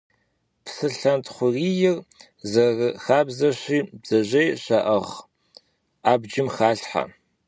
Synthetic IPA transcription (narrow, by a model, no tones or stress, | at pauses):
psɨɬɐntʰχʷʊriːjɪr | zɐrxaːbzɐɕiːbz̥ɐʑejɕɐʔɐʁ | aːbd͡ʒɪmχaːɬħa̰